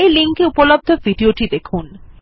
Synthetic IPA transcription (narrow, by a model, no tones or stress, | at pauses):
ejliŋkeupolob̚d̪ʱoviɖioʈid̪ekʰun